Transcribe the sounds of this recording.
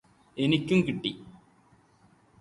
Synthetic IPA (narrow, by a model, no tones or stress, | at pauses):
enikʲːumkiʈːi